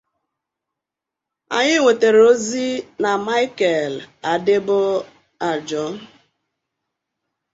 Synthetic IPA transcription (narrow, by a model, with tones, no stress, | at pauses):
a̰˨ɲɪ˦ŋʷe˨te˨ɾe˨o˦zi˦na˨ma˦ɪ˦kɛ˨la˨dɪ˦bʊ˦ | a˨d͡ʒɔ˦